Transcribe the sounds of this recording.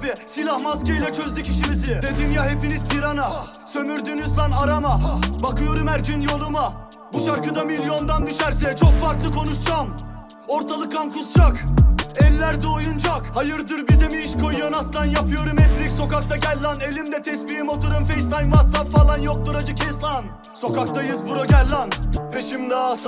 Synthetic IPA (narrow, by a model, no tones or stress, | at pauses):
bisilʲahmaskajlʲɛt͡ʃʰø̞zlʲycʲʰiʃimisɪd̪ed̪imjahe̞piniz̥pʰiɾana | sø̞myɾd̪ynyzb̪ˠanaɾamabakʰɯjo̞ɾumhæɾd͡ʒynjo̞lˠuma | buʃaɾkɯd̪amilʲjo̞nd̪and̪yʃæɾsɛt͡ʃʰo̞kfaɾklˠɯkʰo̞nuʃd͡ʒam | o̞ɾt̪ʰalˠɯk̪ʰankʰusd͡ʒakɛlʲːæɾd̪ɛojund͡ʒakhajɯɾd̪ɯɾbizɛmiiʃkʰojujonast̪ˠanjapʰɯjo̞ɾumɛt̪ʰlʲicʲso̞kak̚t̪ʰaɟɛlʲːane̞lʲimd̪ɛt̪ʰɛsbijimot̪ʰuɾɯmfejʃt̪ajmasapfalˠanjo̞k̚t̪uɾad͡ʒɯcʰɛslˠan | so̞kʰak̚t̪ʰajɯzbuɾaɟɛlʲːanpʰeʃimla